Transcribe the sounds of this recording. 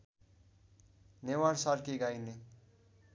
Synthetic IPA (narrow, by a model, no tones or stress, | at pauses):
newaɽsaɾkeɡajne